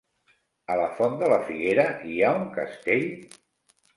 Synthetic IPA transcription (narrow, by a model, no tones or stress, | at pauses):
ələfɔnd̪ələfiɣeɾəiauŋkə̰st̪eʎ